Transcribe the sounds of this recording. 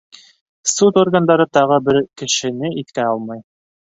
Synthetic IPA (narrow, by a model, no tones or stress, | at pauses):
sut̪orɡand̪ɑɾɤt̪ɑʁɤbɘɾkɘ̆ʃɘ̆nɘit̪kæɑlˠmɑj